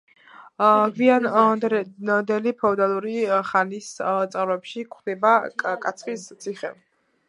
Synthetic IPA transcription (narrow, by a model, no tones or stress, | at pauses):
ɡvian | d̪ɛlipʰɔd̪alˠuɾiχanist̪sʼavɾɔɛpʃikʰχd̪ɛbakʼat̪sʰχist̪sʰiχɛ̰